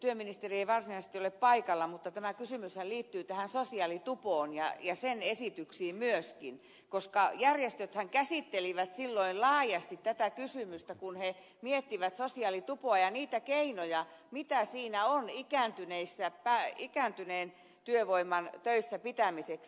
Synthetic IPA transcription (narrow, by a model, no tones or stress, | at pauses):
t̪yøminist̪erieiʋɑrsinɑise̥s̆t̪ioleppɑikɑlːɑmut̪ːɑt̪æmækysymyshæliːt̪ːyːt̪æhænsosiɑlit̪upoːnjɑ̰jɑsenesit̪yksiːmyøskin | koskɑjærjest̪øt̪hæŋkæsit̪ːeliʋæt̪silːoillɑːjɑst̪it̪tæt̪ækysymyst̪ækunhe | miet̪ːiʋæt̪sosiɑlit̪upoɑjɑniːt̪ækeinojɑmit̪æsiːnæonikæːˑnt̪yneisːæpæikæːˑnt̪yneːn | t̪yøʋoimːˑɑnt̪øisːæpit̪æmiseks